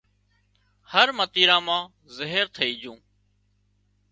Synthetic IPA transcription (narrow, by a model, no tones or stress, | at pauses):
həɾmət̪iːɾãːmãː | zəɦəɾt̪ʰəiːd͡ʒũː